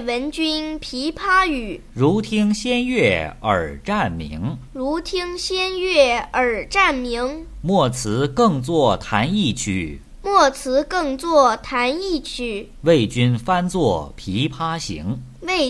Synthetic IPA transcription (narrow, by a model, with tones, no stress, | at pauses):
wə˧˥nt͡ɕy˥npʰi˧˥pʰa˥y˨˩˦ɻu˧˥t̪ʰi˥ŋɕjɛ˥nɥɛ˥˩ə̰˞˨˩ʈ͡ʂa˥˩nmḭ˧˥ŋɻu˧˥t̪ʰi˥ŋɕjɛ˥nɥɛ˥˩ə˞˨˩ʈ͡ʂa˥˩nmi˧˥ŋmwɔ˥˩t͡sʰɹ̩˧˥kɤ˥˧ŋt͡swɔ˥˩t̪ʰa˧˥ni˥˩t͡ɕʰy̰˨˩ | mwɔ˥˩t͡sʰɹ̩˧˥kɤ˥˧ŋt͡swɔ˥˩t̪ʰa˧˥ni˥˩t͡ɕʰy˥˩ | we˥˩ɪt͡ɕy˥nfa˥nt͡swɔ˥˩pʰi˧˥pʰa˥ɕḭ˧˥ŋ | we˥˩